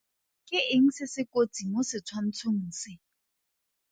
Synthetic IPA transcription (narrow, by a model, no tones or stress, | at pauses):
kʼɪʔɪŋ̩sɪsɪkʼot͡siŋ̩osɪt͡sʰwan̩t͡sʰoŋ̩n̩sɪ